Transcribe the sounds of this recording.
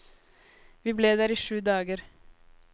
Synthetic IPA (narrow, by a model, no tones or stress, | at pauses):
ʋiːbleːd̪æːɾiːʃʉːd̪ɑːɡəɾ